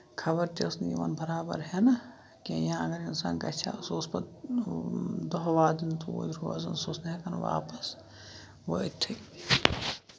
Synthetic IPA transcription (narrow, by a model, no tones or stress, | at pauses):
kʰɐbɐɾt̪esnjiʋɐ̰nbɐɾaːbɐ̰ɾɦɛnɐ | kijãːɐɡɐɾinsa̰ːnkɐ̰t͡ʃʰa̰soːspɐt̪ | d̪oɦʋaːd̪int̪ʰuo̰ːd̪ɾuʋa̰ːzɐnsoːsnɦɛkɐnʋa̰ːpɐs | ʋoit̪ʰːɐ